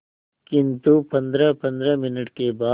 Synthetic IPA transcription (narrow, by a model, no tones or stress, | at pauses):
kint̪upɐnd̪ɾɐpɐnd̪ɾɐminiʈkebaː